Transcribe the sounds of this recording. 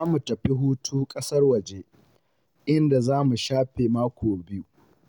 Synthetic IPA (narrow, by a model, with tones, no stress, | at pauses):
zaː˦mu˨tɐ˨ɸi˦ɦuː˦tʰuː˦kʼɐ˦sɐ˦rwɐ˨d͡ʒe˦ | ʔɪ˦nda˨zaː˦mu˨ʃaː˦ɸe˨maː˦kʷoː˨bɪ˦ju˦